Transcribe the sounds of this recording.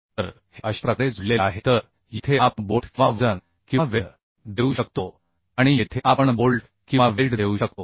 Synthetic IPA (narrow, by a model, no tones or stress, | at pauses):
t̪əɾ | heəɕʈ̪ɾəkɽed͡zʱulːeaɦet̪əɾ | jet̪ʰeapboʈʰʋaʋd͡zən | kĩaʋe | d̪euɕəkt̪o | aɽ̃ijet̪ʰeʔapəɳbolʈ | kĩʋaʋelʈd̪ʱeuɕək̚t̪o